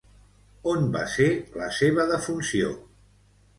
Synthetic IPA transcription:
onba̰seləseβəðəfunsio̰

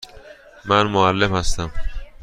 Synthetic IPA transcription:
mænmoalːemhast̪æm

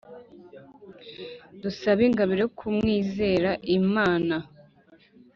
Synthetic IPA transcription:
dusaβiŋɡaβiɾeokʰumŋiːze̞ːɾaʔimaːna

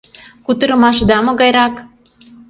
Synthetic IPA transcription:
kut̪əɾəmɑʃd̪ɑmoɣɑjɾɑk

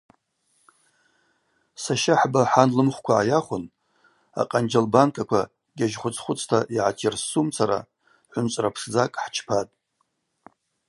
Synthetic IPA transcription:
saʃaħbaħanlɨmχʷkʷʰaʕajaχʷʊn | a̰qʼand͡ʒalbankʰʼakʷʰa | ɡʲaʒχʷʊt͡sʰʼχʷʊt͡sʼʰtʰaʔiʕatʰersumt͡sʰaɾa̰ | ħʷʊnt͡ʃʷʼrapʰʂd͡zakʼħt͡ʃʰpʰatʼ

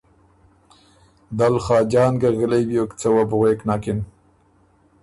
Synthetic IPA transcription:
d̪alχɑːd͡ʒɑːnɡaɣəlejbjokt͡sawabʊɣeːknɑːkɪn

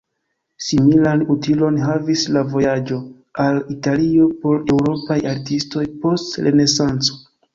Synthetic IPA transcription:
similanutilo̞nɦavislavo̞jad͡ʒo̞ | alitalio̞po̞ɾe̞wɾo̞pajaɾtisto̞jpo̞stɾe̞ne̞sant͡so̞̥

